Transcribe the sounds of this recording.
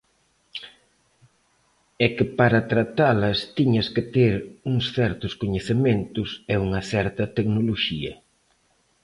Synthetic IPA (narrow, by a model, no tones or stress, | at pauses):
ɛkɪpaɾɐt̪ɾat̪alɐst̪iɲɐskɪt̪eɾuŋsθɛɾt̪ʊskoɲeθemẽnt̪ʊsɛuŋɐθɛɾt̪ɐt̪eknoloʃiɐ̰